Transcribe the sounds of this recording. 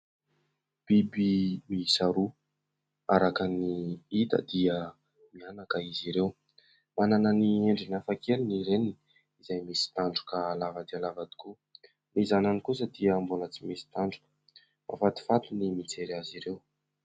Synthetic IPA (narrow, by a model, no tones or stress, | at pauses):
b̥ibimisaɾu | aɾakaniit̪ə̰d̪iə | mianakəiziɾew | manananieɳɖ͡ʐinafakeliniɾenini | izajmesi̥t̪aɳɖ͡ʐu̥kaːlavəd̪ialavad̪i̥ku | mizananikus̬əd̪iəmbulət͡simesi̥t̪aɳɖ͡ʐu̥kə̥ | ma̰fat̪i̥fat̪unimit͡seɾaziɾew